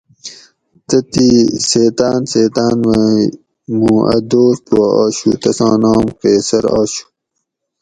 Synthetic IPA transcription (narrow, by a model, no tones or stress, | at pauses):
t̪ɐt̪iseːt̪aːnseːt̪aːnʋe | mũːʔɐ̰d̪oːɾp̪waaːɕut̪ɐsɑ̰̃ːnaːmqeːsɐɾaːɕu̥